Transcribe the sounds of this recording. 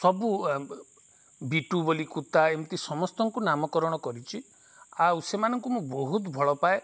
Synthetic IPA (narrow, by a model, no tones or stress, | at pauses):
sɔbu | biʈubolikut̪aemt̪isɔmɔst̪ɔŋkunamɔkɔɾɔɽ̃ɔkɔɾit͡ʃʰi | awsemanɔŋkumũbɔɦut̪bʱɔɭɔpae